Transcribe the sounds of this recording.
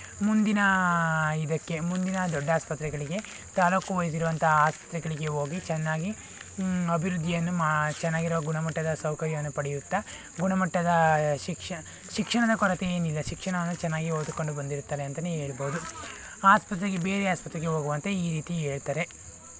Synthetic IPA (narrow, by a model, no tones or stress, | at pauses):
mund̪inɐ | id̪ɐkːe̞mund̪inɐd̪ɔɖːaːspɐt̪ɾɛɡɐɭiɡe̞ | t̪aːloːkuʋɐjɐs̬iɾuʋɐnt̪ɐɦaːspɐ̥t̪ɾɛɡɐɭiɡe̞ɦo̞ːɡit͡ʃɛnːaːɡi | ɐbʱiɾud̪ʱːijɐnːumat͡ʃɛnːaːɡiɾuʋɐɡuɳɐmɐʈːɐd̪ɐsɐwkɐɾjɐʋɐnːupɐɽijut̪ːɐ | ɡuɳɐmɐʈːɐd̪ɐʃikʂɐ | ʃikʂɐɳɐd̪ɐkɔɾɐt̪eeːnilːɐʃikʂɐɳɐʋɐnːut͡ʃɛnːaːɡioːd̪uko̞ɳɖubɐnd̪iɾut̪ːaːɾeɐnt̪ɐnee̞ːɭboːd̪u | aːspɐt̪ɾɛɡe̞beːɾeaːspɐt̪ɾɛɡeɦoːɡuʋɐnt̪e̞iːɾiːt̪ie̞ːɭt̪aːɾe̞